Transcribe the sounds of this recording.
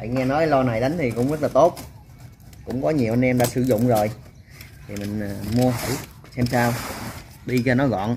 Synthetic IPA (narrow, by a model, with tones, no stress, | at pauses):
va̰˧˨jŋɛ˧nɔ˨˦jlɔ˧na˨˩jɗa˨˦ŋ̟t̪ʰi˨˩kʊ̰˧˥wŋ͡mzə˦˥t̚laː˨˩t̪o˦˥t̚ | kʊ̰˧˥ŋ͡mkɔ˨˦ɲi˨˩əwʔa˧nʔɛ˧mɗa̰ː˧˥sɨ˧˩˦zʊ̰˧˨ŋ͡mzo˨˩j | t̪ʰi˨˩mï˨˩ŋ̟ː˨˩mu˧əɦə˧˩j | sɛ˧msaː˧w | ɗi˧t͡ɕɔ˧nɔ˨˦ɣɔ̰˧˨n